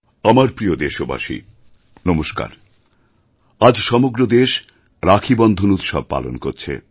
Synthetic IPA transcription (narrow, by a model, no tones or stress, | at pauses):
amaɾpɾiod̪eʃoba̰ʃḭ | nɔmoʃka̰ɾ | ad͡ʑʃɔmoɡɾod̪eʃ | ɾakʰibɔnd̪ʱonut̪ʃɔ̰b̚pa̰lo̰nkoɾt͡ɕʰḛ